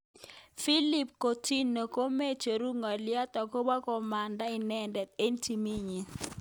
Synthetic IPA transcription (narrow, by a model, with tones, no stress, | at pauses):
fi˦li˨p̚ko˨ti˦no˨ko˦me˦t͡ʃe˨ɾu˦ŋa˨lɪ˦a˦tɔ˨ko˦ba˦kɔ˨ma˨nda˦i˨nɛ˦ndɛ˨t̪̚e˦nti˨mi˦ɲi˨